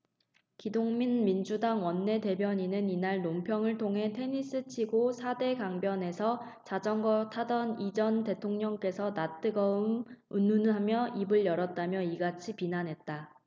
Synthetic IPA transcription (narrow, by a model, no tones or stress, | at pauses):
kidoŋminmind͡ʑudaŋwʌnːe̞te̞bjʌɲinɯninaɭnompʰjʌŋɯɭtʰoŋɦe̞tʰe̞ɲis͈ɯt͡ɕʰiɡosʰade̞kaŋbjʌne̞sʰʌ | t͡ɕad͡ʑʌŋɡʌtʰadʌnid͡ʑʌnte̞tʰoŋɲʌŋk͈e̞sʰʌnat͈ɯɡʌɯmunːunɦamjʌibɯɭjʌɾʌt̚t͈amjʌiɡat͡ɕʰipinanɦe̞t̚t͈a